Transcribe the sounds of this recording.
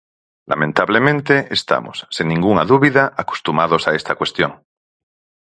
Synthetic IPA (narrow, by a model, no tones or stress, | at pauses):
la̰mẽnt̪aβlemẽnt̪eʔest̪a̰mo̰sːinnĩŋɡuŋaðuβiðaʔako̥st̪umað̞osaest̪akwe̞st̪joŋ